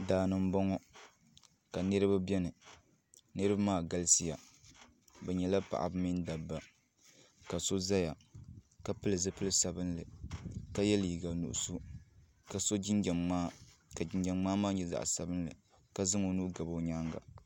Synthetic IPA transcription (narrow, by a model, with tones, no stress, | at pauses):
daː˨nɨ˨m̩˦bɔ˦ŋɔ˦ | ka˨nɨ˦ɾɨ˦ba˦bɛ˦nɨ˨ | nɨ˦ɾɨ˦ba˦maː˦˨ɡa˦lsi˦ja˨ | bɛ˨ɲɛ˨la˦pa̰˨ʔa̰˨bɨ˦mi˦n˦da˨bːa˨ | ka˨so˦za˦ja˨ka˨pɨ˦lɨ˨zɨ˦pɨ˦lɨ˦sa˨bɨ˦nlɨ˨ka˦jɛ˦li˨ɡa˨nṵ˨ʔʊ̰˨su˦ | ka˨so˦d͡ʒɪ˦nd͡ʒa˨maː˦ka˨d͡ʒɪ˦nd͡ʒa˨mŋ͡maː˦maː˦ɲɛ˨za̰˨ʔsa˨bɨ˦n˦lɨ˨ | ka˦zɨ˦ŋo˨nuː˦ɡa˨bo˦ɲaː˦ŋɡa̰˨